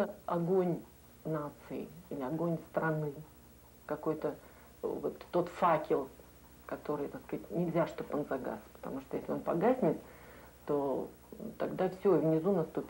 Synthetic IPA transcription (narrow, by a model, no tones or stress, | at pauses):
əɐɡonʲ | nat̪sɨɪ̰ilʲɪɐɡo̞nʲst̪ɾɐnɨ | kɐko̞jt̪ə | vot̪ːo̞t̪fakʲɪlˠ | kɐt̪o̞ɾɨjt̪akskatʲnʲɪlʲzʲaʂt̪oponzɐɡa̰spə̥t̪ɐ̰muʂt̪ojesʲlʲo̞npɐɡasʲnʲɪt̪ | t̪o̞ | t̪ɐɡd̪afsʲɵvnʲɪzunɐst̪upʲɪ